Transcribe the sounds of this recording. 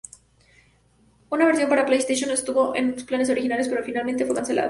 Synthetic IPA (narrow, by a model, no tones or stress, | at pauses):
unaβe̞ɾsjo̞mpaɾaplejst̪ejʃjonest̪uβo̞ʔḛnlosplane̞s̬o̞ɾixinale̞spe̞ɾofinalment̪ewekanse̞lʔa̰ð